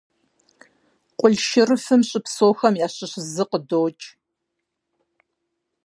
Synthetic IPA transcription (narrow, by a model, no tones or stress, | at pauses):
qʷʼʊɮʃɪrɨfɨmɕʼɪpsoːxɐmjaːɕɪɕzɨqədoːt͡ʃʼ